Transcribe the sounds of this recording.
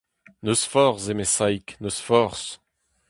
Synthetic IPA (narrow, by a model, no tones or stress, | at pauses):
nøsfɔʁsemesajknøsfɔʁs